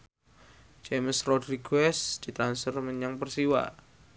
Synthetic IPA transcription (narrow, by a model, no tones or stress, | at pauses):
d͡ʒeməsrɔdɾiɡɛsd̪̥i̤t̪ɾansərmənjaŋpərsiwa̰